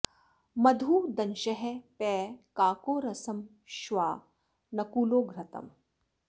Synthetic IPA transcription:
mɐd̪ʱuːd̪ɐnʃɐɦepɛːkaːkoːɾɐsɐm | ʃʋaː | nɐkuːloːɡʱɾɐt̪ɐ̰m

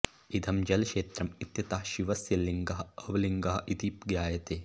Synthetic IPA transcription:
id̪ʱɐmd͡ʒɐlɐʃeːt̪ɾɐmit̪jɐt̪aːhʃiʋɐsjɐlːiŋɡɐɦɐ̆ɐʋɐliŋɡɐɦɐ̆ʔid̪ipɡjaːjɐt̪eː

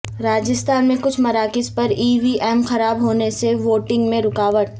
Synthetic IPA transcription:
ɾaːd͡ʒɪst̪ʰaːnmẽkʊt͡ʃʰmɐɾaːkɪspɐɾiːʋiʔɛːmxɐɾaːbɦoːneseʋoːʈɪ̃ŋɡmẽɾʊkaːʋəʈ̚

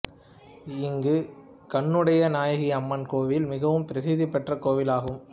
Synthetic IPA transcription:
ɪŋɡɯ | kɐɳːɯɽɐjɐnaːjɐɣiɐmːɐnkoːʋɪlmɪɣɐʋɯmpɪɾɐsɪðɪpːɛʈrɐkoːʋɪlaːɣɯm

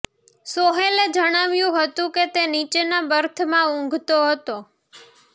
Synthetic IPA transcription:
soɦeled͡ʒəɽ̃aʋjũɦət̪ũket̪enit͡ʃenabəɾt̪ʰəmãũŋɡʱt̪oɦət̪o

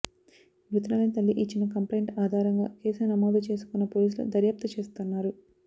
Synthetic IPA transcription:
ʋit̪nɐːlɐnt̪ɐlːiʔiːt͡ʃːinɐkɐmplejɳʈaːd̪ʱaːɾɐŋɡa̰ːkeːsɐnɐmoːd̪ɐt͡ʃe̞ːsu̥kunːɐpoːliːs̬lṵd̪ɐɾjaːp̚t̪ɐt͡ʃe̞ːst̪unːaːɾu

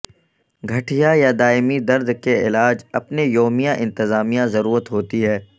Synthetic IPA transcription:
ɡʱɐʈʰijajad̪aːɪmid̪ɐɾd̪keɪlaːd͡ʒɐpnejoːmijãʔɪ̃nt̪ɪzaːmijãzɐɾuːɾət̪ɦoːt̪iɦɛː

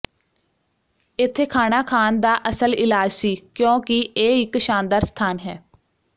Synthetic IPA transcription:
ɪt̪ʰːeːkʰaːnaːkʰaːnd̪aːʔəsəlɪlaːd͡ʒsiːkjõːkɪeːɪkʃaːnd̪aːɾst̪ʰaːnɦɛː

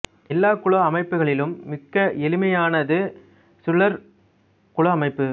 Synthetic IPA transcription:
ɛlːaːkʊɭoɐmɐɪpːɯɣɐɭɪlɯmːɪkːɐʔɛlɪmɐjaːnɐðɯ | sʊɭːɐɾ | kʊɭɐɐmɐɪpːɯ

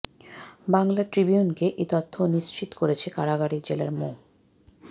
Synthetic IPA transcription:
baŋlaʈɾibiunkeʔet̪ot̪ʰːoniʃt͡ɕit̪o̥koɾet͡ɕʰekaɾaɡaɽid͡ʑela̰ɾmo

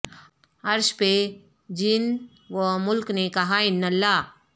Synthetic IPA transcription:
ɐɾʃpe | d͡ʒɪn | ʋomʊlknekɐɦaɪnːəlːaː

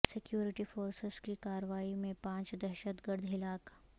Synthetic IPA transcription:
sɪkjuːɾɪʈifoːɾsɪz̥kikaːɾəʋaːimẽpãːt͡ʃd̪ɛɾʃət̪ɡəɾd̪ʱɦɪlaːk

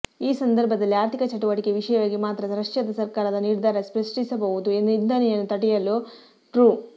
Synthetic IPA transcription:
iːsɐnd̪ɐɾbʱɐd̪ɐlːiaːɾt̪ʰikɐt͡ʃɐʈuʋɐʈikeʋiʂɐjɐʋaːɡimaːt̪ɾɐsɾɐʂjɐd̪ɐsɐɾkaːɾɐd̪ɐniːɾd̪ʱaːɾɐspɾɐsʈisɐbɐɣud̪ue̞nd̪uind̪ɐnijɐnːut̪ɐʈijɐlːu | ʈɾuː

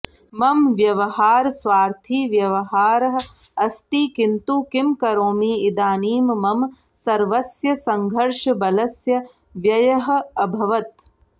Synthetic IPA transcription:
mɐmʋjɐʋɐhaːɾsʋaːɾt̪ʰiːʋjɐʋɐɦaːɾɐɦɐ | ɐst̪iːkint̪uːkimkɐɾoːmiːid̪aːniːmmɐm | sɐɾʋɐsjɐsɐŋɡʱɐɾʂɐbɐlɐsjɐ | ʋjɐjɐɦɐ̆ɐbʱɐʋɐt̪̚

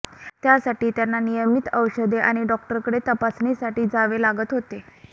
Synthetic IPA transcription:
t̪jasaʈiːt̪janːanijəmit̪əwɕəd̪eʔaɽ̃iɖɔk̚ʈəɾkəɽet̪əpasnisaʈiːd͡zaʋelaɡət̪ɦot̪e

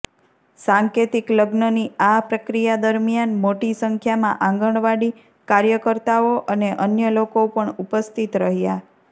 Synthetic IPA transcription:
sãŋket̪ikləɡnəniapɾəkɾijad̪əɾmjanmoʈisəŋkʰjamã̰ʔãŋɡəɳ̃ʋaɽi | kaɾjəkəɾt̪aoʔəneʔənjəlokopəɳupəst̪ʰit̪ɾəɦja

